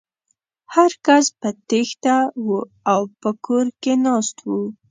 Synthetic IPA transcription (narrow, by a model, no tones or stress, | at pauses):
haɾkaspət̪ext̪awu | awpəkoɾkenɑst̪wu